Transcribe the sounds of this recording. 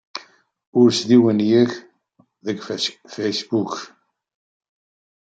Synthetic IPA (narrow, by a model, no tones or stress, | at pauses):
ʊɾsðiwənjəç | ðəɡfesbuk